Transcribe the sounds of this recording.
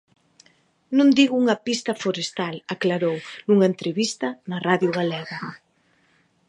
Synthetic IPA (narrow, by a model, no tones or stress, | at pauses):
nũnd̪iɣuuŋɐpist̪ɐfoɾest̪alaklaɾownuŋɐent̪ɾeβist̪ɐnɐraðjuɣalɛɣa